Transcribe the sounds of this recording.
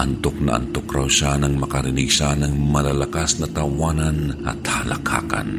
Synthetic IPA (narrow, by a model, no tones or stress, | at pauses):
ʔɐnt̪ok̚nɐ̰ʔɐ̰nt̪okɾawʃanɐŋmɐkɐɾɪniɡsanɐŋmɐlalɐkasnɐt̪ɐwaːnɐnʔɐ̰t̪halɐkʰa̰ːka̰n